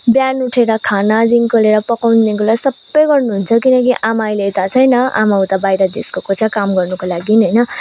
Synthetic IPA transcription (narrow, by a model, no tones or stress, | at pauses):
bjanuʈʰeɾʌkʰanad͡z̪inkʰoleɾʌpʌkawnd̪iŋkolaisʌbːʌjɡʌrnuɦunt͡sʰʌkinʌkiʔamajleet̪at͡sʰʌjnʌʔa̰maũt̪abajɾʌd̪eskokot͡sʰakamɡʌrnukolaɡinɦʌjnʌ